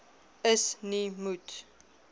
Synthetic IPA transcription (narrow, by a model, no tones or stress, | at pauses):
əsnimut